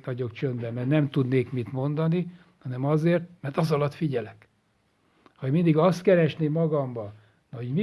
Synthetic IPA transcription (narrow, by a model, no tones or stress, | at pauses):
ɒɟo̞kt͡ʃønd̪bɛmɛrnɛmt̪ud̪neːkmit̪mo̞nd̪ɒni | hɒnɛmɒzeːrt̪mɛrt̪ɒzɒlɒt̪fiɟɛlɛk | hɒmind̪iɡɒst̪kɛɾɛʃneːmːɒɡɒmbɒ | nɒhoɟmi